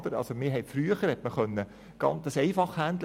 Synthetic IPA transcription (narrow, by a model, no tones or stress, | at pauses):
d̥əɾɑ̰lsomɪɦɛɪtfɾyəχəɾhɛt̪məχœnːə | ɡ̥ɑ̰ntəsɛɪfɑχhænd̪l